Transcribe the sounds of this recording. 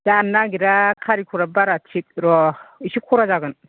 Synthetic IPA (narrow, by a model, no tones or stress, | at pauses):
zanːaɡiɾakʰaɾikʰuɾabaɾatʰik̚ɾɔisikʰoɾazaɡɯn